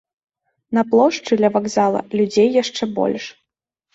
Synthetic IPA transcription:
nɐplˠɔʂt͡ʂɨd̪lʲɐvaɡzalˠɐ̰lʲud͡zʲejːaʂt͡ʂɛbɔ̰lʲʂ

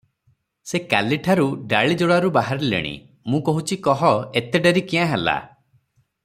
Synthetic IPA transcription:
seka̰liʈʰaɾuɖaɭid͡ʒoɽaɾubaɦaɾilḛɽ̃ḭ | mũkɔɦut͡ʃʰikɔɦɔet̪eɖeɾikiãɦela̰

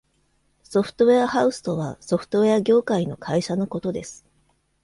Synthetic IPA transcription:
so̞ɸɯ̥t̪o̞βe̞ahaɯ̟sɨ̥t̪o̞βaso̞ɸɯ̟̥t̪o̞βeaɡʲo̞ːkaino̞kʰaiɕano̞ko̞t̪o̞d̪e̞sɨ̥

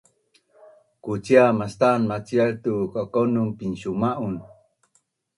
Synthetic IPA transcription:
kut͡siamast̪anmat͡sialt̪ukakonunpinɕumaʔun

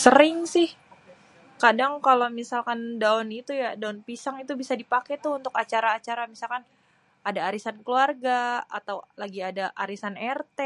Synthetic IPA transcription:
səɾɪŋsɪh | kadaŋkalowmisalkandaɔnit̪ujadaʊnpisaŋit̪ubisadipakɛt̪ʊunt̪ʊkat͡ʃaɾaːt͡ʃaɾamisalkan | adaːɾisankluarɡaa̰t̪awlaɡiadaʔaɾisanɛrt̪ɛ

